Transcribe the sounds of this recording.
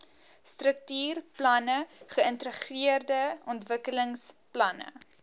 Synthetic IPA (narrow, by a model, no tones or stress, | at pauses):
strək̚tyːrplɐnəχəəntəχriərdəɔntvəkələŋsplɐnə̰